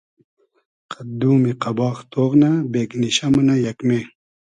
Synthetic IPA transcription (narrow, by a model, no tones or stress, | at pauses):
qɐd̪uːmiqɐbɑːxt̪oːʁnabeːkniɕɐmɐnɐjɐkmeː